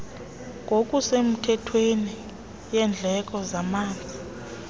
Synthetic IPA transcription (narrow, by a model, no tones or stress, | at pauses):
ŋʱok̬ʼusem̩tʰɛtʰweni | jɛnd͡ɮʱɛk̬ʼɔzamaːnd͡zʱi